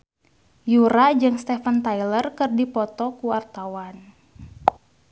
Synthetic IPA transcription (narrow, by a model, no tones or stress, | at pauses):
juɾad͡ʒɨŋst̪ɛfənt̪ajlərkɨrdipɔt̪ɔkuwart̪awan